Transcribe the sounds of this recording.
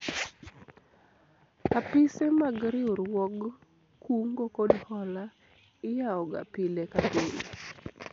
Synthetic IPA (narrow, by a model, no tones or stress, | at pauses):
kapɪsemaɡɾɪʊɾwɔɡ | kuŋɡokodhɔla | ɪjaɔɡa̰pilekaɡol